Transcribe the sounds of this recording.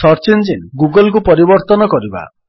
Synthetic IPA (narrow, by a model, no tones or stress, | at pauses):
ɔɾt͡ʃend͡ʒinɡuɡɔlk̬upɔɾibɔɾt̪ɔnɔkɔɾiba̰